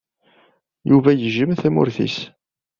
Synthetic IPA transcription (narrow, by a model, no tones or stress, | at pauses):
juvæjəʒəmθæmʊ̰ɾθḭs